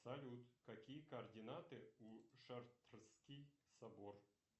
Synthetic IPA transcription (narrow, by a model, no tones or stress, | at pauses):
sɐlʲut̪kɐkʲijəkɐɐrdʲɪnat̪ɨuʂart̪rskʲijsɐbor